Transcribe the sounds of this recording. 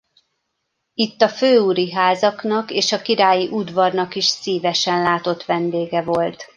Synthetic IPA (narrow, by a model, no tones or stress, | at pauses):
it̪ːɒføːuɾiɦaːzɒknɒkeːʃɒkiɾaːjiʔud̪ʋɒrnɒkiʃsiːvɛʃɛnlaːt̪o̞t̪ʋɛnd̪eːɡɛvo̞lt̪